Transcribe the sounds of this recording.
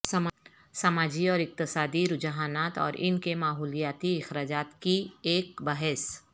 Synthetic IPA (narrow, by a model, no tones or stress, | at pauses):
sɐ | sɐmaːd͡ʒiɔːɾɪq̚t̪ɪsaːd̪iɾʊd͡ʒɦaːnaːt̪ɔ̰ːɾʔɪ̰nkemaːɦuːlijaːt̪iɪxɾaːd͡ʒaːt̪kieːkbɐɦɛs